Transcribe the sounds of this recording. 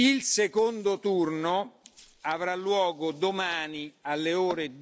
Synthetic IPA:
ilsekond̪ot̪urno | avɾalːwɔːɡod̪omaːnialːeoːɾe

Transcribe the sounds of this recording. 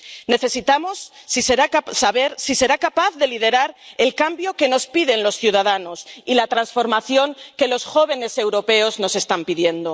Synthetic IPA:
ne̞θe̞sit̪amo̞sːiseɾasaβe̞ɾsise̞ɾakapaθðe̞lið̞e̞ɾaɾe̞lkambjo̞ke̞no̞spiðe̞nlo̞sθjuð̞aðano̞silat̪ɾansfo̞ɾmaθjo̞ŋke̞lo̞sxo̞β̞e̞ne̞se̞wɾo̞pe̞o̞zno̞se̞st̪ampiðje̞nd̪o̞

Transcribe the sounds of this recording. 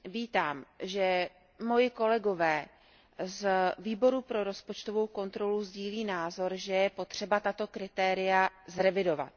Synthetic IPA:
viːt̪aːmʒɛ | mo̞jɪko̞lɛɡo̞vɛː | zviːbo̞ɾupɾo̞ɾo̞spot͡ʃt̪o̞vo̞wko̞nt̪ɾo̞luzɟiːliːnaːzo̞ɾʒɛjɛpo̞t̪r̝̥ɛbat̪at̪o̞kɾɪt̪ɛːɾɪjazɾɛvɪdo̞va̰t̪̚

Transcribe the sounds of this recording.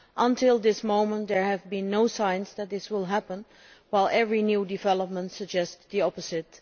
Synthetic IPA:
ʔə̃ntʰɪlˠd̪ɪsmõʊ̃mə̃ntd̪ə˞ɨvbĩnːoʊsãɪ̃nzðæt̚ðɪswɪlˠɦæpə̃n | waɪlˠʔɛvɹinjudɨvɛlˠəp̚mə̃ntsəɡ̚d͡ʒɛstdiɔpəzɪt

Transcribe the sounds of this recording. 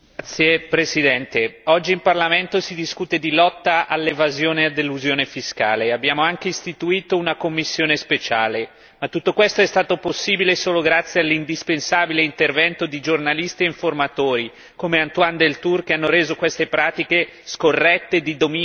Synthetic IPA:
t̪sːjepɾesid̪ɛnt̪eɔd͡ʒːiːmparlament̪osid̪iskuːt̪ed̪ilɔt̪ːaʔalːevazjoːnead̪elːuzjoːnefiskaːleabːjaːmoaŋk̟eist̪it̪uiːt̪ounakomːisːjoːnespet͡ʃaːle | mat̪ːut̪ːokwest̪oɛst̪aːt̪oposːiːbilesoːloɡɾat̪sjealːind̪ispensaːbileint̪ervɛnt̪od̪id͡ʒornalist̪ieiɱformat̪oːɾi | komeant̪wand̪elt̪urk̟eanːoɾeːzokwest̪epɾaːt̪ike | skorːɛt̪ːed̪id̪omi

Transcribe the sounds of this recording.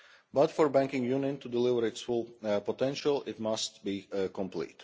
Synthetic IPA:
bʌtfɔɹbæ̃ŋkɪ̃ŋjũnjɨ̃ntʰudɪlɪvəɹɪtsholˠpɔtɛ̃nʃəlˠɪt̚mʌst̚bikɔ̃mpʰlḭt

